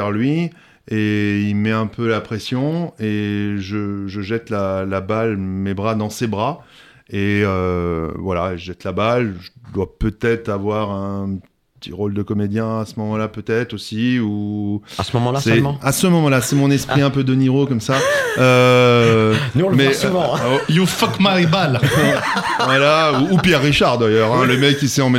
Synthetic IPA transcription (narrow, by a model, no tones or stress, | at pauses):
ɛʁlɥi | eilmɛɛ̃pølapχɛsjɔ̃eʒəʒəʒɛt̪laːabalmebʁad̪ɑ̃sebʁa | eøvwalaeʒəʒɛt̪labalʒəd̪wapøt̪ɛt̪χavwaʁɛ̃ | t̪ʰḭʁold̪əkɔmed̪jɛ̃asəmɔmɑ̃lapøt̪ɛt̪χosiuasmɔmɑ̃lasɛ̃asəmɔmɑ̃lasɛmɔ̃nɛspχχiɛ̃pød̪əniʁokɔmsaø | nuɔ̃lmɛsuvɑ̃jũfɔkmaʁibal | vwalauːpjɛʁːiʃaʁd̪ajœʁɛ̃ləmɛkʲːisɛɑ̃m